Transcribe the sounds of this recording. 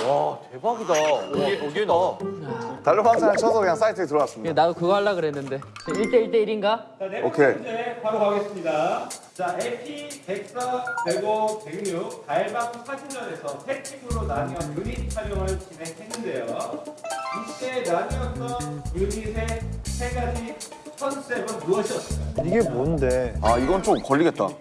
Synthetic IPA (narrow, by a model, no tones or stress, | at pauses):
at͡ɕebaɡidaoeoɡeda | taʎːobaŋsʰanɯnt͡ɕʰʌsʰʌkɯɲaŋs͈aitʰɯɡet̬ɯɾʌɡas͈ɯmienadokɯɡɦaɭːaɡɯɾɦe̞nːɯnde̞eiɭt͈e̞iɭt͈e̞iɾinɡat͡ɕaneokʰeepaɾoɡaɡe̞s͈ɯmɲida | t͡ɕaepʰipe̞k̚s͈ʰateɡopeɡɲuk̚taibaɡusʰaɕʰimd͡ʑʌne̞sʰʌtʰekʰibɯɾonaɲiʌnkɯɲit͡ɕʰaɾjʌŋɯɭt͡ɕine̞khe̞nːɯnde̞jo | it͈e̞naɲiʌt͈ʌnkɯɲisʰe̞sʰe̞ɡad͡ʑi | sʰʌns͈ebɯɭmuʌɕʰiʌss͈ɯiɡe̞monɯnde̞aiɡʌnnt͡ɕomkʌʎːiɡe̞t̚t͈a̰